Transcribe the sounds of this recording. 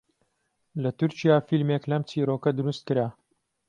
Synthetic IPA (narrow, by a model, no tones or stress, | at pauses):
lɐt̪uɾt͡ʃijaːfilmeːklɐmt͡sʰiːɾoːkɐd̪ʊɾust̪̚kɨɾaː